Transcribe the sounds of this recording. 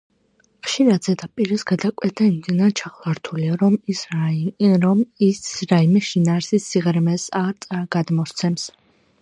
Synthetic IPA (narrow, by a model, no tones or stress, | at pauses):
ʁ̥ʃiɾad̪zɛd̪apʼiɾɛsɡad̪akʼwɛt̪ʰaimd̪inaɾt͡ʃʰaχlˠaɾt̪ʰuliaɾɔmisɾaiɾɔmisɾaimɛʃinaːɾsisːiʁɾmɛsaɾt̪sʼaɡ̥ad̪mɔst̪sʰɛms